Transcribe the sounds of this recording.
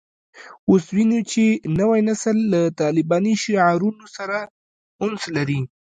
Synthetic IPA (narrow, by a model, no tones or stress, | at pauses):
oswinut͡ʃenəwajnasəlːat̪ɑlɪbɑniʃiʕɑɾunosaɾa | ʊnslaɾi